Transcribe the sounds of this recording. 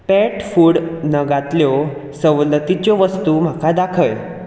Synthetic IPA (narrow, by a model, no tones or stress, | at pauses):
pɛʈfuːɽnəɡat̪ljo | səwlət̪it͡ɕjɔʋəst̪uːm̤akad̪akʰəj